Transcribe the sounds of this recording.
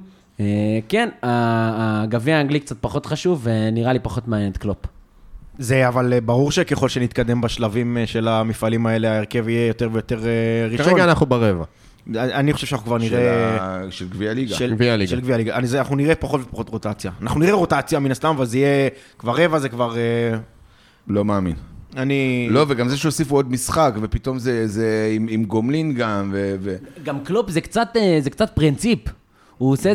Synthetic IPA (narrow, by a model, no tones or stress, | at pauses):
ekena | ɡaviaaŋɡlikt͡sat̪̚paχo̞t̪χaʃuvːeniʁalipaχo̞t̪manjenet̪klop | zeavalbaʁuʁʃekeχo̞lʃenit̪̚kad̪e̞mbaʃlavimʃe̞lamifalimae̞le̞aeʁke̞vijejo̞t̪e̞ʁvejo̞t̪e̞ʁeʁiʃoaanaχubeʁeva̰ | aaniχoʃevʃanaχnukvaʁniʁeʃelɡvialiɡaevialiɡʃaelɡvialiɡazanaχnuniʁepaχo̞t̪vepaχo̞t̪ʁo̞t̪at͡sjaːnaχnuniʁeʁo̞tat͡sjaminast̪amavalzijekvaʁːe̞vazekvaʁe | lo̞maːmḭnanilo̞veɡamzeʃeosifuod̪̚misχakvepit̪o̞mzezeimimɡomlinɡamveveɡamklupzekt͡sat̪ezekt͡sat̪̚pʁint͡sip | uose